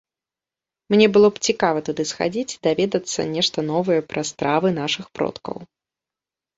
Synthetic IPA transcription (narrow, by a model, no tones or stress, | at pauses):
mnʲɛbɨlˠɔpt͡sʲikavɐt̪ud̪ɨsxa̰d͡zʲit͡sʲd̪avʲɛd̪ɐt̪sːɐ̰nʲɛʂt̪ɐnɔvɐjɛpɾɐst̪ɾavɨnaʂɨxpɾɔ̰t̪kɐ̰w